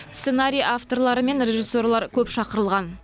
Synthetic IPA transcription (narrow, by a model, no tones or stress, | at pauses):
senaɾʲijaft̪o̞ɾlˠɑɾəme̞nɾʲe̞ʒisːo̞rlˠɑɾkʲʰɵpʃɑqəɾəlˠʁɑn